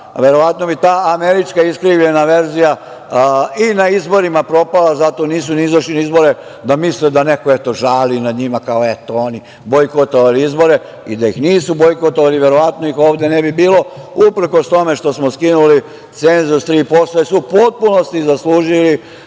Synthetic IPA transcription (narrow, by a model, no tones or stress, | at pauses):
ʋe̞ɾo̞ʋat̪no̞bit̪aːameɾit͡ʃkaiskɾiʋʎe̞naʋe̞ɾzija | inaizbo̞ɾimapɾo̞palazat̪o̞niːsuniizaʃliniizbo̞ɾe | d̪amisled̪anekoet̪o̞ʒaːlinad̪ɲimakaoe̞t̪ooni | bo̞jkot̪oʋaliizbo̞ɾe̞ | id̪ajixniːsubo̞jkot̪oʋaliʋje̞ɾo̞ʋat̪noixo̞ːʋd̪enebibiːlo̞upɾ̩ko̞st̪o̞me̞ʃt̪o̞smoskinuli | t̪se̞nzust̪ɾiːpo̞sloesupo̞t̪̚puno̞st̪izasluːʒili